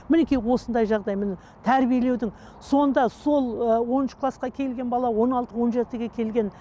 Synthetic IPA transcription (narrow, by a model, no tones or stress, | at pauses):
mɪne̞kʲijwo̞sənd̪ɑjʒɑʁd̪ɑjmɪnɪ | t̪ʰæɾbije̞le̞wd̪ɪŋ | so̞nd̪ɑso̞lˠəwo̞nɪʃəkʰlˠɑsqɑkʲʰe̞lɡʲenbɑlˠɑwo̞nɑlˠt̪əwo̞nʒe̞t̪ɪɡʲe̞kʲʰe̞lɡʲe̞n